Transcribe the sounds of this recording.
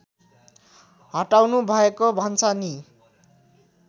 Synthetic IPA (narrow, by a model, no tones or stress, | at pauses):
ɦʌʈawnubʱʌekobʱʌnt͡sʰʌni